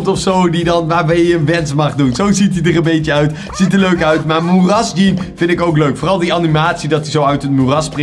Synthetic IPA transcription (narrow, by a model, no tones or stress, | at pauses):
tɔfsowdidɑnʋaːɹbɛjjəənʋɛnsmɑχdunzowzitidərə̃mbejcəœɥt | z̥itəløɥkœɥtmaːɹmurɑsd͡ʒinvɪntɪkowkløɥkfoːrɑlˠdiɑnimaːtsidɑtizowœɥtɦət̚murɑsprɪ